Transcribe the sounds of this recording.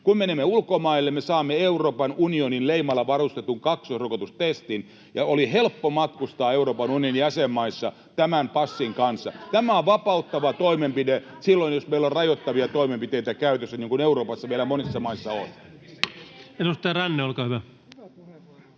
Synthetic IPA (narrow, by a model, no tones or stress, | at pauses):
kummenimːeulkomɑilːemmesɑːmːeeuroːpɑnunioninleimɑlːɑʋɑrust̪et̪uŋkɑksosrokot̪ust̪est̪in | jɑolihelpːomɑt̪kust̪ɑːeuroːpɑnunionjæsemːɑisːɑ | t̪æmæmpɑsːiŋkɑnsːɑ̰t̪æmæoʋʋɑpɑut̪ːɑʋɑt̪oimempide | silːoinjosmeilːorrɑjot̪ːɑʋiɑt̪oimempit̪eit̪ækæyt̪øsːæniːŋkuneuroːpɑsːɑʋielæmonisːɑmɑisːɑo̰n | enust̪ɑjɑrænːeolkɑːhyʋæ